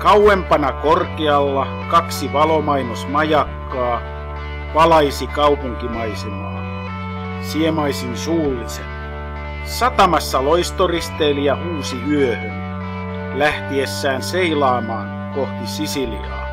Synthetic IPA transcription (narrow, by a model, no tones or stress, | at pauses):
kɑwempɑnɑkorkeɑlːɑ | kɑksiʋɑlomɑinosmɑjɑkːɑː | ʋɑlɑisikɑupuŋkimɑisemɑ̰ː | siemɑisinsuːliset | sɑt̪ɑmɑsːɑloist̪orist̪eːliɑhuːsiyøhøn | læht̪iesːæːnseilɑːmɑːŋ | koht̪isisilḭrɑ̰